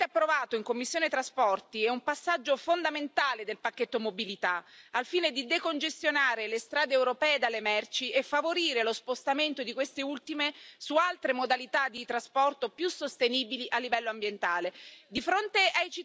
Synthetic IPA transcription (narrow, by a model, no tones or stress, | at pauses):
apːɾovaːt̪oiŋkomːisːjoːnet̪ɾaspɔrt̪iɛumpasːad͡ʒːofond̪ament̪aːled̪elpakːet̪ːomobilit̪aalfiːned̪id̪ekond͡ʒest̪jonaːɾelest̪ɾaːd̪eːwɾopɛːed̪alːemɛrt͡ʃiefːavoɾiːɾelospost̪ament̪od̪ikwest̪eult̪imesualt̪ɾemod̪alit̪ad̪it̪ɾaspɔrt̪opjusːost̪eniːbiliʔalːivɛlːoambjent̪aːled̪ifɾont̪eajt͡ʃi